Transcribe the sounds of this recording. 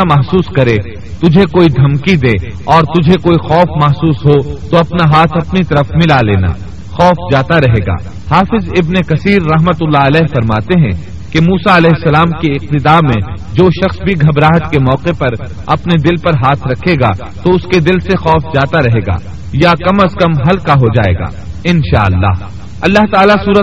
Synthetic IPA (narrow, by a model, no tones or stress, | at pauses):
amɐɦsuːskɐɾe | t̪ʊd͡ʒʱekoːid̪ʱɐmkid̪eː | ɔːɾt̪ʊd͡ʒʱekoːixɔːfmɐɦsuːsɦot̪oɐpnaɦaːt̪ʰɐpnit̪ɐɾəfmɪlalḛːna̰ː | xɔːfd͡ʒaːt̪aɾɐɦeːɡa̰ː | haːfɪzɪbnekɐsiːɾːɐɦmət̪ʊlːaɐlɛːɦfɐɾmaːt̪eɦɛ̰̃ | kemuːsaɐlɛːɪsːɐlaːmkeɪq̚t̪ɪd̪aːmẽ | d͡ʒoːʃɐxsbʱiɡʱɐbɾaːɦət̪kemɔːqepɐɾ | ɐpned̪ɪlpɐɾɦaːt̪ʰɾɐkʰːeːɡa̰ | t̪oʊsked̪ɪlsexɔːfd͡ʒaːt̪aɾɐɦeːɡa̰ː | jakɐməskɐmɦɐlkaɦod͡ʒa̰ːḛːɡa̰ːɪnʃa̰ːɐlːa̰ːɦ | ɐlːaɦt̪aːlasuːɾə